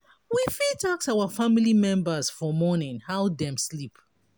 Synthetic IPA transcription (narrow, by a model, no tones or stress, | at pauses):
wifitʰaksawafamilimɛ̃mbəz̥fɔmɔnɪ̃nhaʊdɛ̃mslip